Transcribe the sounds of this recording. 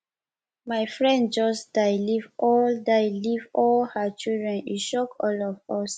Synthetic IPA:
maɪfɹɛ̃ndd͡ʒɔsd̥aɪlivʔɔldaɪlivɔlhat͡ʃildɹɛ̃niʃɔkʰɔlɔvɔs

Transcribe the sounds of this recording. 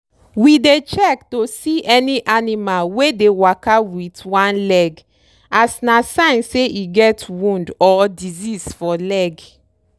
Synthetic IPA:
widet͡ʃɛk̚tosiʔɛniʔanimalwedewakawitwãnlɛɡ | asnasãɪ̃nseiɡɛtwũndɔdizisfɔlɛɡ

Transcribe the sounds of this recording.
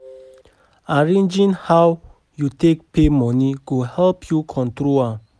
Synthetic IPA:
aɹẽnd͡ʒĩnhaw | jutʰek̚pʰemɔ̃niɡohɛlpʰjukʰɔ̃ntɹoa

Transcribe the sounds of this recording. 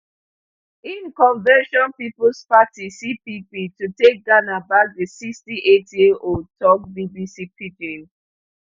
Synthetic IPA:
ĩnkɔ̃nvɛʃɔ̃npiplspatisipipitutek̚ɡanabak̚ðisikstiʔetʰjeʔotʰɔk̚bibisipid͡ʒẽn

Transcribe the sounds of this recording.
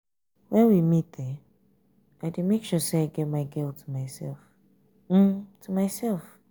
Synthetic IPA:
wɛ̃nwimit̚ðɛ | ʔaɪdemekʃuseaɪɡɛtmaɪɡɛlˠtʰəmaɪsɛ̰lˠf | m̩tʰumaɪsɛlˠf

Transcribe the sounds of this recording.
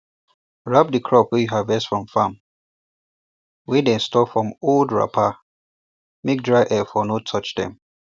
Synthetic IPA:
ɹap̚dikʰɹɔpwɛjuɦavɛstfɹɔ̃mfãm | widɛ̃nstɔfɹɔ̃moldɹa̰pʰa | mek̚dɹaɪʔɛfɔnotʰɔt͡ʃdɛ̰̃m

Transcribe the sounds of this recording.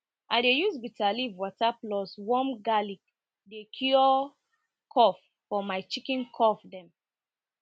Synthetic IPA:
ʔadejusbitalivwɔtaplɔswɔ̃mɡalik | dekʰuɔ | kʰɔfːɔmaɪt͡ʃikĩnkʰɔfdɛ̃m

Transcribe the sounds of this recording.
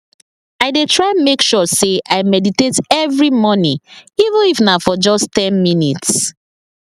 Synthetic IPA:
aɪdetʰɹaɪmekʃɔseʔaɪmɛditetɛvɹimɔnĩivə̃nifnafɔd͡ʒɔstɛ̃nminits

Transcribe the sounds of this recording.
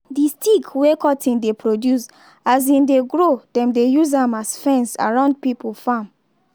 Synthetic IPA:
distʰiɡwekɔtʰĩndepʰɹodjus | as̬ĩndeɡɹodɛ̃mdejuz̬ãmasfɛ̃nsa̰ɹãʊ̃nd̚pipl̩fãm

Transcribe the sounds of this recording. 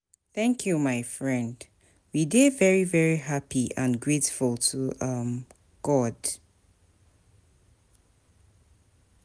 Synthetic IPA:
θɛ̃ŋkʰjumaɪfɹɛ̃nd | widevɛɹivɛɹiɦapʰiə̃nɡɹetfulˠtʰuʔʌm | ɡ̥ɔd̥

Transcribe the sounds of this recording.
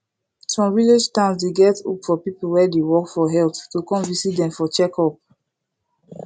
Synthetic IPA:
sɔ̃mviled͡ʒtãnsdeɡɛtṵpfɔpipulwɛdewɔkfɔɦɛlttukɔ̃mvisit̚dɛ̃mfɔt͡ʃɛkɔp̚

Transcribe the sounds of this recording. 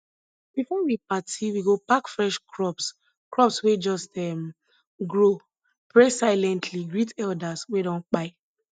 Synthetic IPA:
b̥ifɔwipatiwiɡopakfɹɛʃkʰɹɔps | kɹɔpswed͡ʒɔstɛm | ɡɹo | pɹesaɪlɛ̃ntʰliɡɹitʰɛldaswedɔ̃nk͡paɪ

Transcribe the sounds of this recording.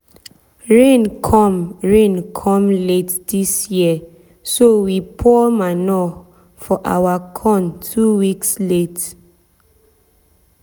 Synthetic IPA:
ɹẽnkʰɔ̃mɹẽnkʰɔ̃mletdisjiə | sowipʰɔmanɔ | fɔʔa̰wakʰɔ̃ntʰuwikslet

